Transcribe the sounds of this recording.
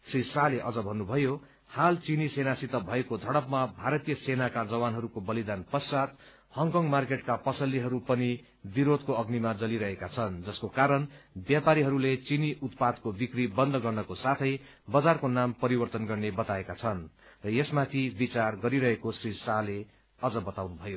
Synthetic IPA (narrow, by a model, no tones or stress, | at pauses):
srisaleʔʌd͡zʌbʱʌnːubʱʌjo | halt͡sinisenasit̪ʌbʱʌekod̪ʱʌɽʌpmabʱaɾʌt̪ijʌsenakad͡zʌwanɦʌɾukobʌlid̪anpʌsat̪̚ | hʌŋkʌŋɡmarkeʈkapʌsʌlːiɦʌɾupʌni | biɾod̪̚ʱkoʌɡnimad͡zʌliɾʌɦekat͡sʰʌnd͡zʌskokaɾʌnbjapaɾiɦʌɾulet͡siniʔut̪pad̪kobikribʌnd̪ʱɡʌrnʌkosat̪ʰʌj | bʌd͡zarkonampʌɾibʌrt̪ʌnɡʌrnebʌt̪aekat͡sʰʌnrʌjesmat̪ʰibit͡sarɡʌɾiɾʌɦekosrisale | ʌd͡zʌbʌt̪awnubʱʌjo